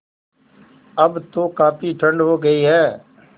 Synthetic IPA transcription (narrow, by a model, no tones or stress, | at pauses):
əbt̪oːkaːpʰiːʈʰəɳɖɦoːɡəiːɦɛː